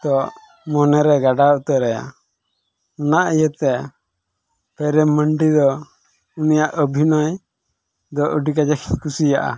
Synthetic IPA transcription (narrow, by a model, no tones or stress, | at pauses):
t̪ɔʔ | mɔnɛɾɛɡaɖat̪ɛɾɛja̰ | unaʔijət̪ɛ | pɛɾɛməɳɖid̪ɔ | unijaʔəbʱinɔj | d̪ɔʔəɖikad͡ʒɛkʰkusijaʔa̰